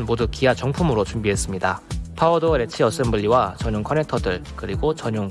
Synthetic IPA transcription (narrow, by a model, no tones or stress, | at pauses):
nmodukiɦat͡ɕʌŋpʰumɯɾot͡ɕumbiɦe̞s͈ɯmɲidapʰaodoɾe̞t͡ɕʰiʌs͈ɯmbɯʎːiwat͡ɕʌɲuŋkʰʌnetʰʌdɯɭkɯɾiɡot͡ɕʌɲuŋ